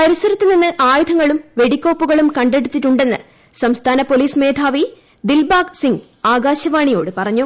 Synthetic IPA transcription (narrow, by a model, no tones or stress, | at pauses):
pɐɾisɐɾit̪ːininːɨʔaːjud̪ʱɐŋːɐɭumʋe̞ɽikʲːo̞ːpːuɣɐɭumkɐɳɖe̞ɽut̪ːiʈːuɳɖe̞nːɨ | sɐmst̪ʰaːnɐpo̞liːsme̞ːd̪ʱaːʋi | d̪ilbaːɡsiŋɡ | aːɡaːɕɐʋaːɳijo̞ːɽɨpɐrɐɲːu